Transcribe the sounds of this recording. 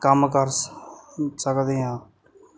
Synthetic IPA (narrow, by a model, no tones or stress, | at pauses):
kəmkəɾ | səkd̪eːɦãː